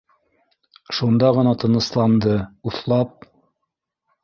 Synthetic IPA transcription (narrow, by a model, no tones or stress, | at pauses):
ʃund̪ɑʁɤ̆nɑt̪ɤ̆nɤ̆slˠɑnd̪ɤuθlˠɑp̚